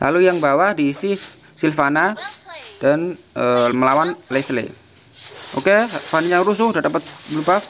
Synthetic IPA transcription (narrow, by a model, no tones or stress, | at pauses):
lʔa̰lujaŋbawahdiːsi | silfana | d̥an | əməlawanleslḛ | ʔo̰kefaniɲaɾus̬ʊhdadapət̪̚blubaf